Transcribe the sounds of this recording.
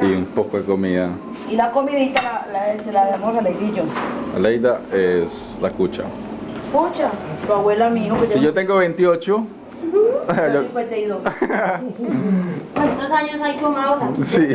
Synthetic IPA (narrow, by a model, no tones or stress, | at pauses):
iumpokakomiða | ilakomiðit̪alalaselaðemoselejðid͡ʒoa̰lejd̪aes | lakut͡ʃa̰ | kut͡ʃat̪oawelamiokojot̪eŋɡoβent̪iot͡ʃo | oket̪eiðo | kent̪osaɲos̬ajsomaosasi